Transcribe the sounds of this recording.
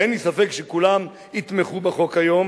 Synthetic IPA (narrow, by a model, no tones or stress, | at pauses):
enlisafekʃekulam | it̪meχubeχo̞kajo̞m